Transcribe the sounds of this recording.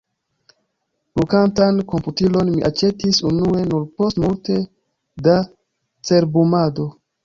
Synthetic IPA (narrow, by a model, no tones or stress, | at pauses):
lukantanko̞mputilo̞nmiʔat͡ʃe̞tisunue̞nuɾpo̞stmulte̞ | da | t͡se̞ɾbumado̞